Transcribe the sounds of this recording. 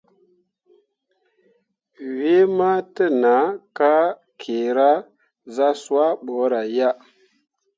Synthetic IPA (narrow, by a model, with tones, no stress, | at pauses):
we˦ma˦tə˦na˨˦ka˦ | kʰe˨ɾa˦ | za˦swa˦ɓo˨˦ɾa˨ja˦